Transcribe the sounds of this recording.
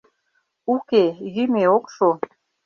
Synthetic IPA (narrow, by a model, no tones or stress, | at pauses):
ukejymeokʃo